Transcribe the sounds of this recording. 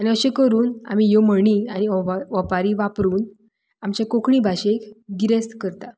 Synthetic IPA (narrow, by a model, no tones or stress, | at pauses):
añiəɕẽkəɾuːna̰mijoməɳiːañiɔʋɔpaɾiʋapɾuːn | amt͡ɕakokʰɳibʱaɕekɡiɾeskəɾt̪a